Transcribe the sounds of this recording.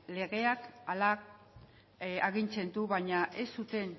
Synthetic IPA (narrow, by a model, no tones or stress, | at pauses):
le̞ɣe̞akala | aɣint͡se̞nd̪uβaɲaʔe̞sut̪e̞n